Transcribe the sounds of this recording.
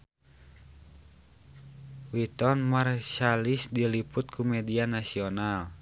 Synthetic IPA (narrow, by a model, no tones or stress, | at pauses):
wit̪ɔnmarʃalisdiliput̪̚kʰumɛdianasiɔnal